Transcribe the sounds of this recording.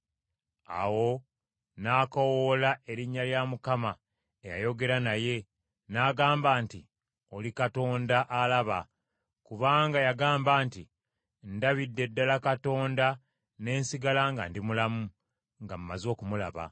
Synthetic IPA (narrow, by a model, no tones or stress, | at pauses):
a̰wo̞ | naːkowolae̞ɾiɲːaljamukama | eja̰jo̞ɡe̞ɾanaje̞ | naɡaːmbaːnti | o̞likato̞ːndaʔalaβa | kuβaːŋɡajaɡaːmbaːnti | ndaβidːe̞dːalakato̞ːnda | ne̞ːnsiɡalaŋɡa̰ndimulamu | ŋɡam̩umːazo̞ːkumula̰βa̰